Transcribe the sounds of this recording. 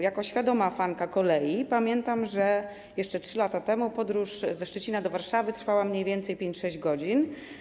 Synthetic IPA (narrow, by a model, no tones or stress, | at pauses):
jakɔɕfʲjad̪ɔmafaŋkakɔlɛjipamʲjɛnt̪amʐɛ | jɛʂt͡ʂɛtʂɘlat̪at̪ɛmupɔd̪ɾuʂzɛʂt͡ʂɛt͡ɕinad̪ɔvaɾʂavɘt̪ɾfawamɲejvʲjɛnt̪sɛjpʲjeɲt͡ɕʂɛʑd͡ʑɡɔd͡ʑin